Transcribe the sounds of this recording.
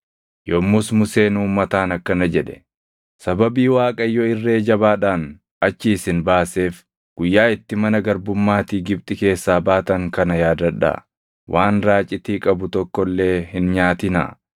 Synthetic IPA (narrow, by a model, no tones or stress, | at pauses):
jɔːmːʊsmʊse̞ːnuːmːɐt̪aːnɐkːɐnɐd͡ʒɛᶑɛ̥ | sɐbɐbiːwaːkʼɐjːɔɪrːe̞ːd͡ʒɐβaːᶑaːn | ɐt͡ʃːɪɪsɪnbaːse̞ːf | ɡ̥ʊjːaːɪt̪ːɪmɐnɐɡɐɾbʊmːaːt̪iːɡɪbt̪ʼɪke̞ːsːaːbaːt̪ɐŋkɐnɐjaːd̪ɐᶑːa̰ː | wʔaːnɾaːt͡ʃʼːɪt̪iːkʼɐbʊt̪ɔkːɔlːe̞ːhɪnɲaːt̪ɪna̰